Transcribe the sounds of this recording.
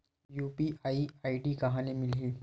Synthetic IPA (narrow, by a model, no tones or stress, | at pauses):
juːpiʔaiaiɖiːkɐɦanimɪliː